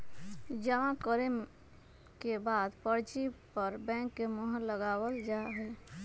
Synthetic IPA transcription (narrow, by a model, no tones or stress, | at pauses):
d͡ʒəʋãkəɾem | kebaːd̪pəɾt͡ʃipəɾbɛ̃ːŋkːemoɦə̃ləɡaːwəld͡ʒaɦɛː